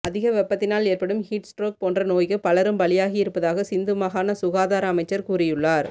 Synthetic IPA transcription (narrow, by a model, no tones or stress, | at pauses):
ʔɐðɪɣɐʋɛpːɐt̪ːɪnaːleːrpɐɽɯmhiːʈsʈroːk̚poːndrɐnoːjkɯpɐlɐɾɯmbɐlɪjaːɣɪɪɾɯpːɐðaːɣɐsɪnd̪ɯmɐɣaːnɐsʊɣaːðaːɾɐːmɐɪt͡ʃːɐɾkuːrɪjɯɭːaːɾ